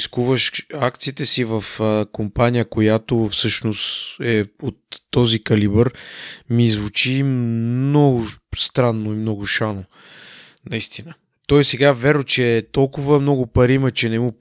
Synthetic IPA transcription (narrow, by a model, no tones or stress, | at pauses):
skuvəʃakt̪siːt̪ɛsivɐfəkompanijəkojat̪ofsɤʃnosɛot̪ːɔzikɐlibəɾmizvut͡ʃimnɔɡʊst̪ɾanːoimnɔɡʊʃano | nɐist̪inə | t̪ɔjsɛɡavɛɾnot͡ʃɛt̪ɔlˠkʊvəmnɔɡʊpɐɾimət͡ʃɛnɛmu